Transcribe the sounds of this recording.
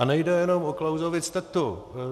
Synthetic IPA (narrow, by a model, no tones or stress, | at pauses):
anɛjdɛjɛnomoklawzovɪt͡st̪ɛt̪ːu